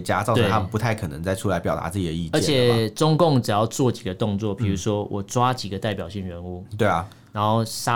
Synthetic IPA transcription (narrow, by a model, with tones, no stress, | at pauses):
t͡ɕja̰˥t͡sɑ˥˧t̪e˥˩t̪ʰa˥mə˨npu˧˥t̪ʰa˥˩ɪkʰɤ˨˩nə̰˧˦ŋt͡sa˥˩ɪʈ͡ʂʰu˥la˧˥ɪpjɑ˨˩ʊt̪a̰˧˥t͡sɹ̩˥˩t͡ɕi˨˩d̪ə˩˧i˥˧t͡ɕə˧ɛ˥˨t͡ɕʰjɛ˨˩˧ʈ͡ʂʊ˥ŋkʊ˥˩ŋʈ͡ʂɻ̩˨˩jɑ˥˧ʊt͡swɔ˥˩t͡ɕi˨˩ɡə˦t̪ʊ˥˧ŋt͡swɔ˥˨pʰi˨˩ɻu˧˥ʂwɔ˦˥wʔɔ˨˩t͡swa˥t͡ɕi˨˩ɡə˩˦t̪a˥˩ɪpjɑ˨˩ʊɕi˥˩ŋɻə˧˦˥nu˥˩t̪we˥˩ɪɐ˩ | na˧˥nxo˥˩ʊʂa˦